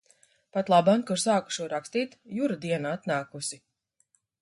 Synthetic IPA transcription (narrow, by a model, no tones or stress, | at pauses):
pat̪lˠabankuɾsaːku̥ʃuɔɾakst̪iːt̪juɾad̪iɛnaat̪naːkusi